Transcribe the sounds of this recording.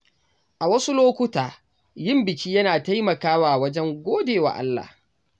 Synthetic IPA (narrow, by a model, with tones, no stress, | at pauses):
ʔa˨wɐ˦su˦loː˦kʷʊ˦taː˨ | jɪ˦mbɪ˨kʲiː˦jɐ˦naː˨ta˦jmɐ˨kaː˦waː˨wɐ˦d͡ʒɛ˦ŋɡʷoː˦deː˨wa̰ː˨ʔa̰˦lːa̰ː˨h